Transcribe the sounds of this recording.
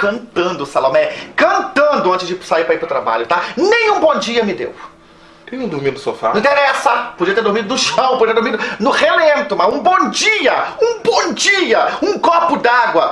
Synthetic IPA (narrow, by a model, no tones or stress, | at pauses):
kɐ̃nt̪ɐ̃nd̪ʊsalomɛkɐ̃nt̪ɐ̃nd̪ʊɐ̃t͡ʃɪzd͡ʒɪsaiɾpɾaipɾʊt̪ɾaba̰ʎʊt̪anẽj̃ũbõd͡ʒiɐmɪd̪ḛw | t̪ẽj̃ũd̪ʊɾmĩd̪ʊsofã̰ĩt̪eɾɛsɐpod͡ʒiɐt̪eɾd̪oɾmid̪ʊnʊʃɐ̃w̃pod͡ʒiɐd̪oɾmid̪ʊnʊhelẽnt̪ʊmɐzũbõd͡ʒiɐũbõd͡ʒiɐũkɔpʊd̪aɡwɐ